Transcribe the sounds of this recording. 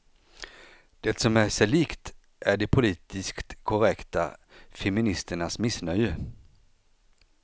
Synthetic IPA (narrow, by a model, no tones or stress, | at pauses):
d̪̥ɛt̪sɔmæʂɛliːkt̪ | ʔæɖɛpʰʊliːt̪ɪskt̪kʰɔɾɛkt̪a̰fɛmɪnɪst̪əɳasmɪsnœjə